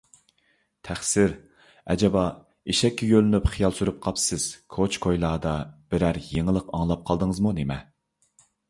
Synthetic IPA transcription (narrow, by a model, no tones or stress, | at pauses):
t̪ʰæχsɪɾ | ɛ̰d͡ʒɛbɑ | iʃɛkʲʰːɛjølynypχijɑlˠsyɾyp̚qʰɑpsɪz̥kʰot͡ʃkʰojlˠɑːd̪ɑb̥ɪɾæɾjeŋəlˠəqɑŋlˠɑp̚qʰɑlˠd̪əŋəzmunemɛ